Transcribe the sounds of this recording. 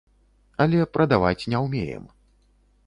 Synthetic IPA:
ɐlʲɛpɾɐd̪avat͡sʲnʲɛwmʲḛjɛ̰m

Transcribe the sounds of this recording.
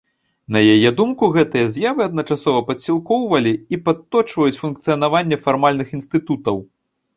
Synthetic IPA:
nɐjajɛd̪umkuɣɛt̪ɨjɐzʲjavɨɐd̪̚nɐt͡ʂasɔvɐpɐsʲilˠkɔwvɐlʲiipat̪ːɔt͡ʂvɐjut͡sʲfunkt̪sɨjɐnavanʲːɛfarmalʲnɨxinst̪ɨt̪ut̪ɐw

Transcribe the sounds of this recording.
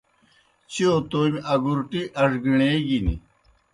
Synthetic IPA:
t͡ɕiot̪oːmiʔɐɡuɾʈiʔɐʂɡiɳeːɡinḭ

